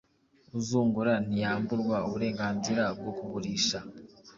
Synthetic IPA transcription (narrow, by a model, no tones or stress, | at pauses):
uzuːŋɡuɾan̥ijaːmbuɾɡwauβuɾe̞ːŋɡaːnziɾab̚ɡo̞kuβuɾiːʃa